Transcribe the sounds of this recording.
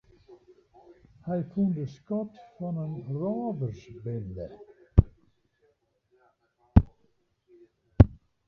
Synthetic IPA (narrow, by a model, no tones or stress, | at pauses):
hæɪkʰʉnd̪əskɔt̪fɔnenɾɑːʋəɾsbɪld̪ə